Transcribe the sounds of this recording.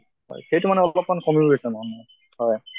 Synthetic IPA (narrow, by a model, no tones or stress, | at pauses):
hɔ̰jxejtumanɛɔlɔpmankɔmiesɔnamɔ | hɔj